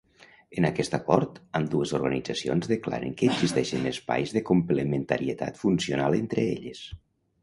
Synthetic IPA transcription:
ənakɛst̪akɔɾt̪əmd̪uəzoɾɣənid͡zasio̰nzðəkla̰ɾə̰ŋkəːnzist̪ɛʃənəspa̰jzðəkumplement̪aɾiət̪a̰t̪funsionalˠent̪ɾəeʎəs

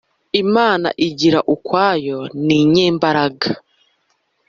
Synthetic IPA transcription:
imaːna̰ʔiɟiɾaʔukwaːjo̞niɲeːmbaɾaɡa

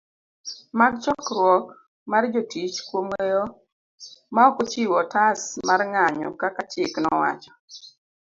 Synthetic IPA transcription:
maɡt͡ʃɔkɾwɔk | mard͡ʒotit͡ʃkwomwejo | maɔkot͡ʃiwɔtasmarŋaɲɔ̰kakat͡ʃɪknɔwa̰t͡ʃɔ̥

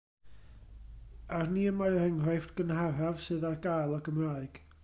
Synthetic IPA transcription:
arniːənmaɨrɛŋrɔjftɡ̥ənhaɾavsɨðarɡajlˠɔɡəmraːɨɡ̥

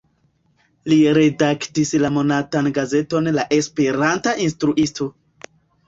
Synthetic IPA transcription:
liɾe̞daktislamo̞natanɡaze̞to̞nlaʔe̞spe̞ɾantaʔinstɾuʔisto̞

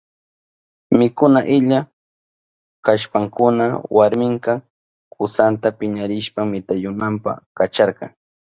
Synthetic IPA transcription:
mɪkʊnaʔɪʎa | kaʃpaŋkʊna̰waɾmɪŋkɑ | kʊsant̪apɪɲaɾɪʃpamɪt̪ajʊnampa̰kat͡ʃɑɾqɑ̰ŋ

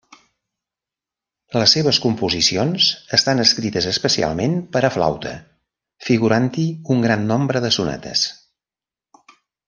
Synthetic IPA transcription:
ləsːeβ̞əskumpuzisionzəst̪anəskɾit̪əzəspəsia̰lˠmenpəɾəfla̰wt̪ʰə̰ | fiɣuɾant̪iuŋɡɾanːombɾəðəsunɛ̰t̪ʰə̰s

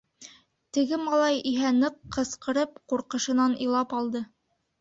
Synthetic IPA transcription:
t̪ɘ̆ɡɘmɑlˠɑjiɦænɤqːɤ̆sqɤ̆ɾɤp̚quɾqɤ̆ʃɤ̆nɑnḭ̆lˠɑpɑlˠd̪ɤ

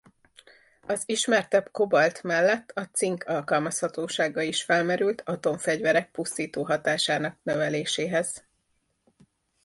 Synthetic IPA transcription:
ɒziʃmɛrt̪ɛbko̞bɒlt̪mɛlːɛt̪ːɒt̪siŋkʰɒlkɒlmɒshɒt̪oːʃaːɡɒiʃfɛlmɛɾylt̪ʰɒt̪o̞ɱfɛɟvɛɾɛk̚pust̪iːt̪oːɦɒt̪aːʃaːnɒk̚nøvɛleːʃeːɦɛz̥

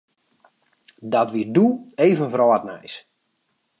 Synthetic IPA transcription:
dɔtʋiduejvənvrɔːatnɛ̰js

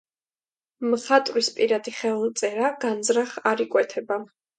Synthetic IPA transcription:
mχat̪ʼɾispʼiɾad̪iχɛvlˠt̪sʼɛɾaɡ̥and̪zɾaχaɾikʼwɛt̪ʰɛba

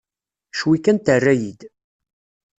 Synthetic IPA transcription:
ʃwikːənt̪ərːæjid̪

